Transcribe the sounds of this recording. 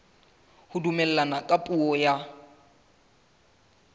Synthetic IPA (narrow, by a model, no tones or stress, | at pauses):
hʊdumɛlɛlanakʼapʼuɔja